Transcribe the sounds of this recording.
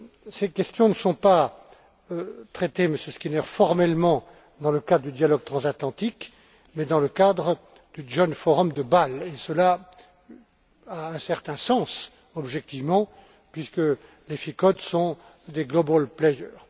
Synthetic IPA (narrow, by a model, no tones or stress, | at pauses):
sekʲɛst̪jɔ̃nəsɔ̃pa | øt̪χɛt̪eməsjəskʲinɛʁfɔʁmɛlmɑ̃ | d̪ɑ̃ləkad̪ʁəd̪yd̪jalɔɡ̚t̪χɑ̃zat̪lɑ̃t̪ik | mɛd̪ɑ̃ləkad̪ʁə | d̪yʒɔnfɔʁɔmd̪əbalesəla | aɛ̃sɛʁt̪ɛ̃sɑ̃s | ɔbʒɛk̚t̪ivmɑ̃ | pɥiskə | lefikɔt̪sɔ̃ | d̪eɡlɔbolplɛjœːʁ